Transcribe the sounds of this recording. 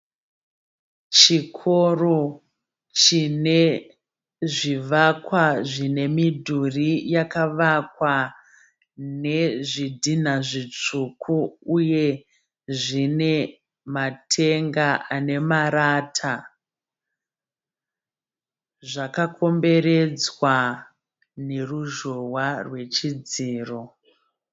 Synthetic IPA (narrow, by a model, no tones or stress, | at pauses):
t͡ʃikʰo̞ro | t͡ʃine̞ | ʐiʋakwaʐine̞midʱurijakaʋakwa | ne̞ʐidʱin̤aʐit͡ʂukʰuuje̞ | ʐine̞ | matʰe̞ŋɡaane̞maɾaːtʰa | ʐakakʰo̞mbe̞ɾe̞d͡zwa | ne̞ruʒo̞warwe̞t͡ʃid͡ziːro